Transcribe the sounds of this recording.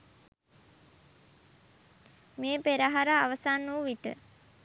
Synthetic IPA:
meːpeɾaɦaɾaːʋəsanːuːʋiʈə̰

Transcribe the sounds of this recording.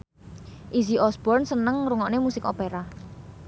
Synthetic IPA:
ʔiziʔɔsbɔrnsənəŋɾuŋɔʔnemusɪko̰peɾa

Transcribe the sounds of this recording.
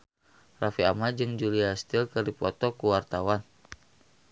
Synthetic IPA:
rafia̰mad͡ʒɨŋd͡ʒuliast̪ilkɨrdipɔt̪ɔkuwart̪awan

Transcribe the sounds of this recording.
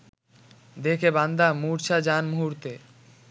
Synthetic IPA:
d̪ekʰeband̪amuɾt͡ɕʰad͡ʑanmuɦuɾt̪e

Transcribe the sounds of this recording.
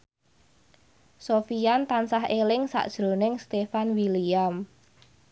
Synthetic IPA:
sofiant̪ansaɦelɪŋsa̰ʔd̥ʒ̥ɾo̤nɪŋst̪efanwiliam

